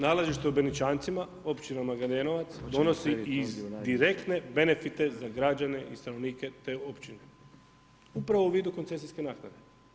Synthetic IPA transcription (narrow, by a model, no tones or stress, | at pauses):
naːlaʒiʃt̪eubenit͡ʃaːnt̪sima | o̞pt͡ɕinamaɡad̪eːnoʋat̪sd̪o̞no̞siizd̪iɾe̞kt̪ne̞be̞ne̞fit̪e̞zaɡɾad͡ʑane̞ʔist̪ano̞ʋniːke̞t̪e̞o̞pt͡ɕine̞ | upɾaʋouʋiːd̪ukont̪e̞s̬iske̞naːknad̪e̞